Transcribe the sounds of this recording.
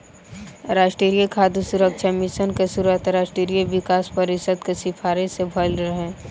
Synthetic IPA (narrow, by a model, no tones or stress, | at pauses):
ɾaːʃʈɾiɾijəkʰaːd̪ʱusuɾəkʃʰamɪʃənkesuɾət̪ɾaːʃʈɾiɾijəʋɪkaːspəɾɪsəd̪kesɪfʰaːɾesebʱəlɾəɦẽ